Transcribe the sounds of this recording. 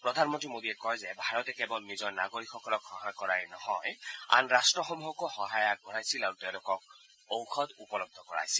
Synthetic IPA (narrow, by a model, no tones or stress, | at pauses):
pɹɔdʱanmɔntɹimodiɛkɔjzɛbʱaɹɔtɛkɛbɔlnizɔɹnaɡoɹikxɔkɔlɔkxɔɦakɔɹajnɔhɔja̰nɹastɹɔxɔmuɦɔkoxɔɦajakbɔɹajsilaɹutɛʊ̃lʊkɔk̚ | owxʰɔdupɔlɔb̚d̪ʱɔkɔɹa̰jsi